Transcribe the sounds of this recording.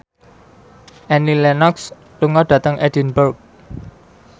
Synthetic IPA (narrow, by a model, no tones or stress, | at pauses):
ʔɛnilɛnɔks | luŋɔɖ̥ä̤t̪əŋʔɛd̥inbərk̚